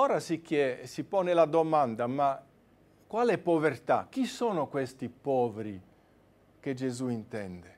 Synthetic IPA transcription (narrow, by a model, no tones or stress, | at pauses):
ɔːɾasikjɛsipɔːnelad̪omand̪ama | kːwaːlɛpːovert̪a̰k̟ːisɔːnokwest̪ipɔːveɾi | ked͡ʒezuint̪ɛnd̪e